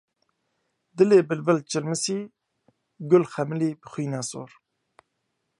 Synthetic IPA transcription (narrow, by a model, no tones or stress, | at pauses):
d̪ɨleːbɨlvəlt͡ʃɪlmɨsiː | ɡʊlxɛmɨliːbɨxʷiːnɛso̰ːɾ